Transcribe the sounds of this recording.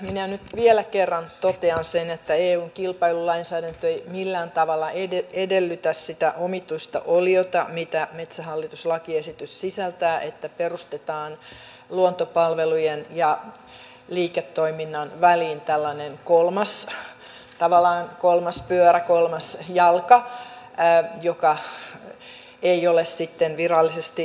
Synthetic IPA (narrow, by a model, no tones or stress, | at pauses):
minænyt̪ʋielækerːɑnt̪ot̪eɑnsenet̪ːæeːuːŋkilpɑilulɑinsæːdænt̪øeimilːæːnt̪ɑʋɑlːɑʔeeedelːyt̪æssit̪æʔomit̪uist̪ɑ̰ʔoliot̪ɑmit̪æmet̪sæɦɑlːit̪uslɑkiesit̪yssisælt̪æːʔet̪ːæperust̪et̪ɑːn | luont̪opɑlʋelujenjɑ | liːket̪ːoiminːɑnʋæliːnt̪ælːɑnenkolmɑs | t̪ɑʋɑlːˑɑːnkolmɑspyørækolmɑsjɑlkɑ | jokɑ | eiolessit̪ːenʋirɑlːisest̪i